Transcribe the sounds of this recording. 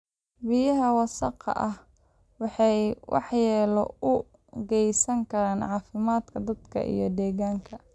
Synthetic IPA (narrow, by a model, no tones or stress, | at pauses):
bɪjɐɦɐwɑsɑqɑ̰ʔɐh | wɑħɑjwʔɑ̰ħjɛːlɔ̰ʊ | ɡɛjsɐŋkʰɐɾaːnʕɑːfɪmaːd̪kʰɐd̪ɐd̪̥kʰɐ̰ʔḭjɞd̪ɛːɣaːŋkʰɐ